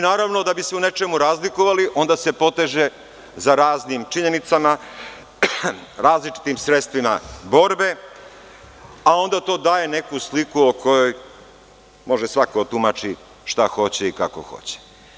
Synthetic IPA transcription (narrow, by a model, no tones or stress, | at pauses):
inaːɾaʋno̞d̪abiseune̞t͡ʃe̞muɾaːzlikoʋaliʔo̞nd̪ase̞po̞t̪e̞ʒe̞ | zaɾaːznimt͡ʃiɲe̞nit̪sama | ɾaːzlit͡ʃi̥t̪imsɾet̪st̪ʋima̰bo̞ɾbe̞ | ao̞nd̪at̪o̞ːd̪aːje̞ne̞kuslikuokʰo̞jo̞j | mo̞ʒesʋakot̪umat͡ʃi | ʃt̪axo̞t͡ɕeikako̰xo̰t͡ɕe̥